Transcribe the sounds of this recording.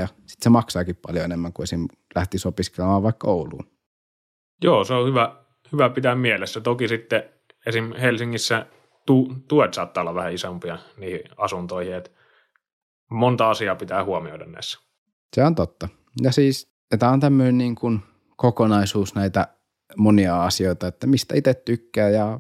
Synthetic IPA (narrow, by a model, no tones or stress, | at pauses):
ɑsi̥t̪semɑksɑːkippɑljoenemːæŋkuesim | læht̪isopiskelemɑːʋʋɑˑikkoulṵːn | joːseohyʋæ | hyʋæpit̪æmmielesːæt̪okisit̪ːe | esimhelsiŋːisːæ | t̪ut̪uet̪sɑːt̪ːɑˑolːɑʋʋæhæisompiɑniːhiɑsunt̪oˑihiet̪ | mont̪ɑɑsiɑːpit̪æːhuomio̰ˑidɑnːḛsːæ̥ | seont̪ot̪ːɑ | jɑsiːs | et̪æont̪æmːøineniːŋkun | kokonɑisuːsnæit̪æ | moniɑɑsioit̪ɑet̪ːæmist̪æit̪et̪t̪ykːæːjɑ